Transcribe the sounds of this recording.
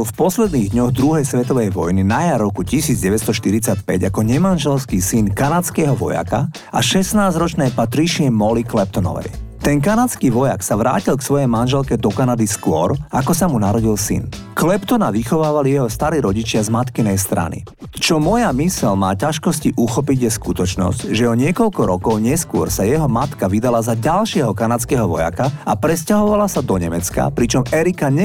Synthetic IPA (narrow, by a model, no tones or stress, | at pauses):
lfpɔslɛd̪niːɣd̪ɲɔɣd̪ɾuɦɛjsʋɛt̪ɔʋɛjʋɔ̰jninajaɾɔkucisiːd͡zɟɛʋɛst̪ɔʃt̪iɾit͡sacpɛ̰ɟakɔɲɛmanʒɛlskiːsinkanat͡skɛɦɔʋɔ̰ja̰ka | ʔa̰ʃɛsnaːzɾɔt͡ʃnɛːpat̪ɾiʃɪɛmɔliklɛp̚t̪ɔnɔ̰ʋɛ̰jt̪ɛnkanat͡skiːʋɔja̰ksaʋɾa̰ːcilksʋɔjɛjmanʒɛlkɛd̪ɔkanad̪iskwʊɔ̰ɾakɔsamunaɾɔɟilsḭn | klɛpt̪ɔnaʋixɔʋaːʋalijɛɦɔst̪aɾiːɾɔɟit͡ʃɪazmat̪kinɛjst̪ɾa̰nḭ | t͡ʃɔmɔjamisɛlmaːcaʃkɔsciʔuxɔpiɟjɛskut̪ɔt͡ʃnɔ̰scʒɛɔɲɪɛkɔʎkɔɾɔkɔʊɲɪɛskʊɔɾsajɛɦɔmat̪kaʋid̪alazaɟalʃɪɛɦɔkanat͡skɛɦɔʋɔ̰ja̰kaapɾɛscaɦɔʋalasad̪ɔɲɛmɛt͡ska̰pɾit͡ʃɔmɛɾikaɲɛ